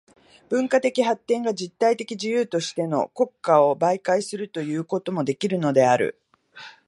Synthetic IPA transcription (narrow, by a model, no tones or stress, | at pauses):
b̥ɯ̟̃ŋkat̪e̞kʲiɦat̪ːẽ̞ŋɡad͡ʑit̪ːait̪e̞kʲiʑijɯːt̪o̞ɕi̥t̪e̞no̞̰ko̞kːao̞baikaisɨɾɯ̟t̪o̞jɯ̟ːko̞t̪o̞mo̞d̪e̞kʲiɾɯ̟no̞d̪e̞aɾɯ̰